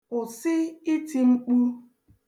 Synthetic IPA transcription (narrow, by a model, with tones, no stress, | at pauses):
ʊ˨sɪ˦i˦tʰi˨ŋ͡m̩˦k͡pu˦